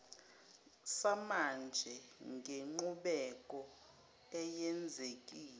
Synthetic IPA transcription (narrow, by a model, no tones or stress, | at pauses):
samand͡ʒʱɛŋɡʱeŋ͡ǃuɓɛkʼɔ | ɛjɛnd͡zʱek̬ʼiːlɛ